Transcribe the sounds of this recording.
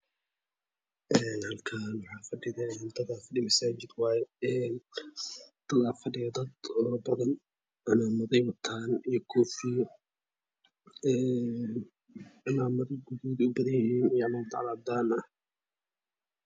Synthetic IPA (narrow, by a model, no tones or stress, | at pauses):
ʔɛːnhɐlkʰanwɑħɑːfɐɖɪðɛnd̪ɐðaːfɐɖɪmɐsaːt͡ʃɪd̪wɑːjɛɛːn | d̪̥ɐðaːfɐɖɪjɐd̪ɐd̪ɔɾbɐðɐn | ʔɐnamʊðɛjwɐt̪ʰaːnijɔkʰɔːfiː | ɛː | ʕɪlaːmɐðɐɡuðɔːðʊbɐðɐnjɪhiːnijmɐːd̪ɑ̰ʕlaːd̪aːnɐh